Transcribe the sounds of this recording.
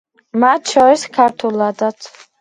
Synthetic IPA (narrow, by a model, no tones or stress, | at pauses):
mat̪̚ʰt͡ʃʰɔɾiskʰaɾt̪ʰulad̪at̪ʰ